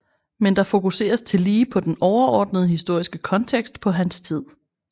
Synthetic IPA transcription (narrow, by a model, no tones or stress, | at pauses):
mend̥ɑ̈fo̝kuse̝̰ːɐst͡sʰe̝liːpʰɒ̽d̥enɒʊɐɒ̰ːd̥nəð̞̩ˠɦisd̥o̝ɐ̰isɡ̥əkʰɒ̽nt͡sʰeɡ̥sd̥pʰɒ̽ɦænst͡sʰið̞̰ˠ